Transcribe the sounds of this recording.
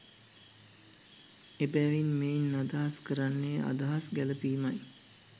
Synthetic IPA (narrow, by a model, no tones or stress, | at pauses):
ebæːʋinmenːad̪aɦaskəɾanːejʔa̰d̪aɦasɡæləpiːmaj